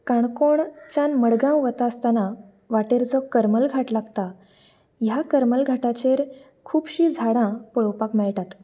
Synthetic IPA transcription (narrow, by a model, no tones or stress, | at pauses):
kaɳkoɳt͡ɕanməɽɡãwʋət̪aəst̪ana | ʋaʈeɾd͡zɔkːəɾməlɡʱaʈlaɡt̪a | jakəɾməlɡʱaʈat͡ɕeɾ | kʰuːbɕiːd͡zʱaɽãpɔɭwpakmɛɭʈ̪at̪